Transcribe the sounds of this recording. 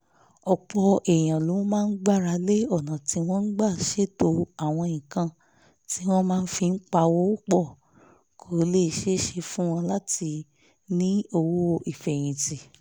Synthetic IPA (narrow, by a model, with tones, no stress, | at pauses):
ɔ˨k͡pɔ˧ʔɛ˨j̃ã˨lo˨˦mãː˦˧˦ɡ͡ba˦˨ɾa˧le˦ɔ˦˨nã˨ti˧˦w̃ɔ̃˦n̩˦ɡ͡ba˦˨ʃe˦to˧a˦˨w̃ɔ̃˧ĩ˨kã˧ | ti˦w̃ɔ̃˦mãː˦n̩˦fi˧n̩˦k͡pa˧wo˦o˦k͡pɔ˦˨ | kʰo˨˦le˦˨ʃe˦ʃe˧fũ˦w̃ɔ̃˧la˦ti˧ | nĩ˦o˧wo˦o˧i˨fɛ˨j̃ĩ˨ti˨